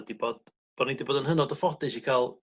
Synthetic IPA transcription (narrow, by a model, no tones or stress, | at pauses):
dibɔd̥̚ | b̥ɔnidibɔdənhənɔdɔfɔdɨsikʰaːlˠ